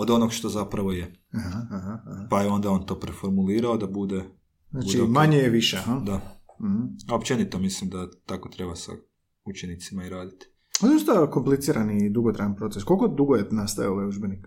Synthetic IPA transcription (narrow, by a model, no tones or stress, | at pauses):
od̪o̞noɡʃt̪o̞zapɾaʋo̞je | ahaaɦapaio̞nd̪ao̞nt̪o̞ːpɾefo̞ɾmuliːɾaod̪abud̪e | znaːt͡ʃuimaɲejeʋiʃeaɦad̪a | m̩h̩opt͡ʃenit̪omislimd̪at̪ako̞t̪ɾe̞basa̰ | ut͡ʃenit̪simaiɾaːd̪it̪i̥ | onost̪ako̞mplit̪siːɾanid̪uɡot̪ɾajanpɾo̞t̪seskolʲkod̪uɡojenast̪aʋioʋajuʒbenik